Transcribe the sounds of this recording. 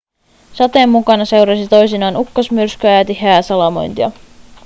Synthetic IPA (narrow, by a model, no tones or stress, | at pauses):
sɑt̪e̞ːmːukɑnɑse̞wɾɑsit̪o̞jsinɑːnukːosmyrskyæːt̪iɦæːsɑlɑmo̞̰jnt̪iɑ